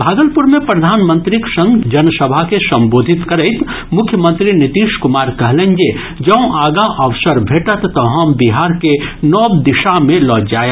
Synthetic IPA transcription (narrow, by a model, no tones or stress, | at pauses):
bʱaːɡəlpʊɾmẽpɾɐd̪ʱaːnmə̃nt̪ɾɪksə̃ŋɡd͡ʒɐnsəbʱakesɐ̃mboːd̪ʱɪt̪kɐɾeɪt̪ | mʊkʰjəmə̃nt̪ɾinɪt̪iːʃkʊmaːɾkɐɦlẽɲd͡ʒe | d͡ʒɐũʔaːɡãʔɐʋsəɾbʱeːʈət̪ːɔɦãmbiɦaːɾkenɔːbd̪ɪʃamẽlɔːd͡ʒaːjə